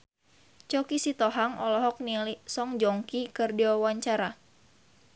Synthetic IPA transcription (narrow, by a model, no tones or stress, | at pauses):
t͡ʃɔkisit̪ɔɦaŋɔlɔɦɔk̚nilisɔŋd͡ʒɔŋkikɨrdiwawaɲt͡ʃaɾa